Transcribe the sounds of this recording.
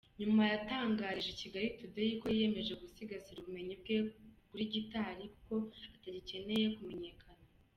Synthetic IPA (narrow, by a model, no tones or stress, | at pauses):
ɲumajataːŋɡaːɾiʒeciɡaɾitudejiko̞jie̞me̞ʒe̞ɡusiɡasiɾuβume̞ɲib̚ɡekuɾiɟitaɾikuko̞ataɟice̞ne̞je̞kume̞ɲe̞ːkʰana